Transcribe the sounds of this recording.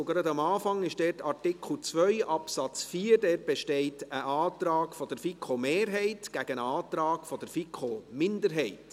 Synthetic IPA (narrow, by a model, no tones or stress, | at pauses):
oɡɾɑd̪ɑmɑːfɑŋɪʃd̥ɛːtɑrtɪkʰχl̩t͡sʋœʏʔɑpsɑt͡sfiːɾdɛːt̚b̥ɛʃtɛɪtəʔɑːt̪ɾɑːkfɔd̥əɾfikχomeːɾɦɛɪtɡ̥æɡ̥ənəɑːt̪ɾɑːkfɔd̥̪əɾfikχomɪndəɾɦɛɪt